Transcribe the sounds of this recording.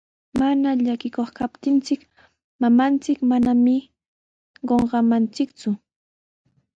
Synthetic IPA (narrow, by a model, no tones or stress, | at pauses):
manaʎakɪkoχkapt̪ɪnt͡sɪk | mamant͡sɪkmanamɪ | ɢoɴɢɑmant͡sɪkt͡sʊ